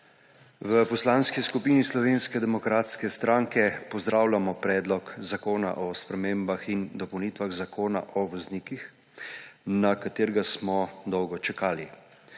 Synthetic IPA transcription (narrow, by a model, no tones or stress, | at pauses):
ʋəpɔslaːnskiskupiːnislɔʋeːnskɛd̪ɛmɔkɾaːt̪skɛst̪ɾaːŋkɛpɔzd̪ɾaːwlʲamɔpɾɛːd̪lɔkzakoːna̰ʔɔspɾɛmeːmbaxind̪ɔpɔwnit̪ʋaɣzakoːna̰ʔɔʋɔzniːkix | nakat̪eːɾɡasmɔd̪ɔwɡɔt͡ʃɛkaːli